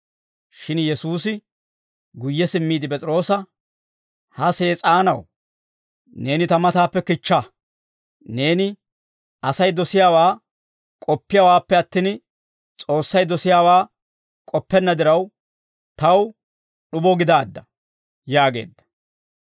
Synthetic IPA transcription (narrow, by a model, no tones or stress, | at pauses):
ʃɪnjɛsuːsɪ | ɡʊjːɛsɪmːiːd̪ɪp̬ʼɛt͡sʼɪɾo̞ːsɐ | hɐseːt͡sʼaːnɐw | ne̞ːnɪt̪ɐmɐt̪aːpːɛkɪt͡ʃːa | ne̞ːnɪ | ɐsɐjd̪ɔsɪjaːwaː | kʼɔpːɪjaːwaːpːɛɐt̪ːɪːn | t͡sʼo̞ːsːɐjd̪ɔsɪjaːwaː | kʼɔpːɛnːɐd̪ɪɾɐw | t̪ɐw | ɗʊbɔɡɪd̪aːd̪ːɐ | jaːɡe̞̰ːd̪ːɐ̥